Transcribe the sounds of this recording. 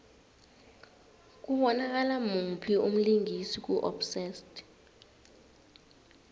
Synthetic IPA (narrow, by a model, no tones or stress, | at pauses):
k̬ʼuɓɔnak̬ʼalamupʰium̩liŋisik̬uʔɔ̰psɛstʼ